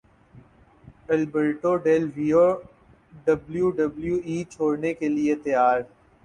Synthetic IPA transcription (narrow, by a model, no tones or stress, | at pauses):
ɛlbeɾʈoɖeːlʋijo | ɖɐbljuɖɐbljuiːt͡ʃʰoːɽnekeliet̪ɐjaːɾ